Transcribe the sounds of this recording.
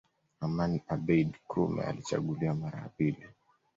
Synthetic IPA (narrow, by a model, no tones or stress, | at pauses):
amaniabɛdkʰumɛ̰a̰lit͡ʃa̰ɠuliamaɾa̰apili